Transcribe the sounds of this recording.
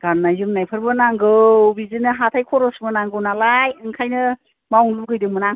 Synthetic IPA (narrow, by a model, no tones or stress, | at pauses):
ɡ̥anːajzɯmnajpʰɯɾbɯnaŋɡɯwbizɯnɯɦatʰajkʰɔɾɔsmɯnaŋɡɯwnalajɯŋkʰajnɯ | mawŋluɡɯjdɯŋmɯnaŋ